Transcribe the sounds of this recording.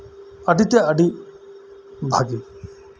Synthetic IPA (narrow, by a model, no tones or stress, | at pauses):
ɐɖit̪eɐɖi | bʱaɡi